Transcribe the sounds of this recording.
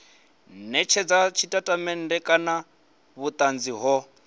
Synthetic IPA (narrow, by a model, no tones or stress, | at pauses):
nɛt͡ʃʰɛd͡zat͡ʃʰitʼatʼamɛn̩dɛkʼana | βut̪ʼand͡ziɦɔ